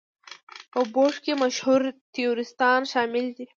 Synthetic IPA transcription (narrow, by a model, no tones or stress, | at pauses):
pəboʂkemaʃhuɾt̪ijoɾɪst̪ɑnʃɑmɪld̪i